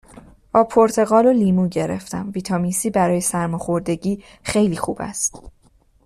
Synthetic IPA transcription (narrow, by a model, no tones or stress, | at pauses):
b̥ɒːpʰoɾt̪ʰe̞ɣɒːloliːmuːɟe̞ɾe̞̰ft̪æmviːt̪ʰɒːmisiːbæɾɒːje̞sæɾmɒxo̞ɾd̪e̞ɟiː | xe̞jliːxuːbæ̰st̪